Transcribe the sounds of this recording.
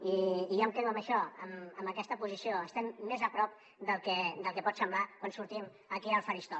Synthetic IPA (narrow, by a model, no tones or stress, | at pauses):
iːjomkɛðuəmbəʃɔəməmbəkɛst̪əpuzisioəst̪ɛmːezəpɾɔp̚ | d̪əlˠkɛd̪əlˠkɛpɔt̪səmblakwansuɾt̪im | əkiəlˠfəɾist̪ɔ